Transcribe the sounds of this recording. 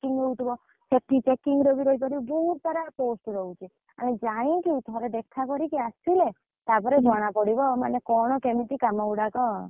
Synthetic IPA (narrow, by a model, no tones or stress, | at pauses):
kiŋɡɾout̪ʰibɔ | t͡ʃeʈːit͡ʃekiŋɡɾɔbiɾɔipɔɾibɔɦut̪t̪ɔɾaposʈɾɔũt͡ʃʰe | a̰ned͡ʒaɽ̃ĩkiut̪ʰɔɾed̪ekʰakɔɾikiast̪ile | t̪apɔɾed͡ʒɔɽ̃apɔɽibɔma̰nekɔɽ̃ɔkemiʈ̪ikamauɽakɔ